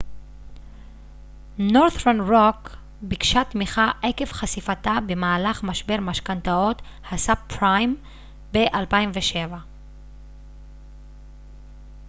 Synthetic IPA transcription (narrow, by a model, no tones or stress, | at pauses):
noʁθʁanʁok | bikʃat̪miχaʔeke̞fχasifat̪abe̞maːlaχmaʃbe̞ʁmaʃkantao̞t̪ | hasapɾajm | be̞ʔalpaimveʃe̞va